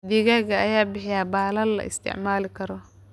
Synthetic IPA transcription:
d̪ɪɣɐɣɐɐjaːbɪħɪjaːbaːlɐlːɐ̰ʔɪ̰st̪ʰɪ̰ʕmaːlɪkʰɐɾɔ

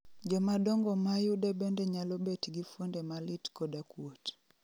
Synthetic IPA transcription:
d͡ʒɔmadɔŋɡɔmajudebendeɲalɔbetɡifwondemalitkɔdakwot

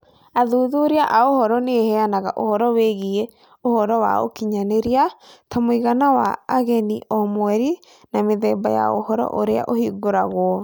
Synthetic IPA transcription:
aðuðoɾeaʔaohɔɾɔnehɛanaɣaʔohɔɾɔweɣie | ohɔɾɔwa̰o̰kiɲaneɾiatʰamoiɣanawa̰ːɣɛniʔɔmwɛɾi | nameðɛba̰ja̰o̰hɔɾɔ̰ʔoɾea̰ʔohiɡoɾaɣwɔ

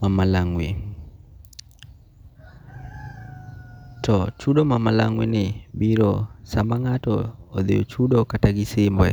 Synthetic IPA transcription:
mamalaŋwḭ | tɔt͡ʃuɗɔmamalaŋwinibiɾɔsambaŋatɔːðḭɔ̰t͡ʃuɗɔkataɡisimbwɛ̰

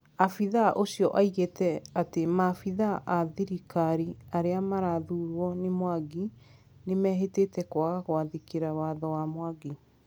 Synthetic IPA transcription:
afiðaʔosjɔʔaiɣetɛatemafiðaʔaðiɾikaɾiaɾeamaɾaðuːɾwɔnemwaɡi | nemɛːɦetetɛkwaɣaɣwaðekeɾawaðɔwamwaɡi

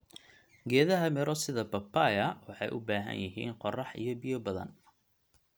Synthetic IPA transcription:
ɡɛːðɐɦɐmɪɾɔsɪðɐbɐpʰːajɐwɑħɑjʔʊbaːɦɐ̰njɪɦiːnqɔrɑħʔḭjɔbɪjɔbɐðɐ̰n

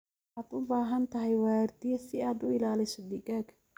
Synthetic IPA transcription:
ħaːd̪ʊbaːɦɐnt̪ʰɐɦɛjwaːrd̪ijɛsɪaːd̪ʊɪlaːlɪsɔd̪ɪɡaːɡ

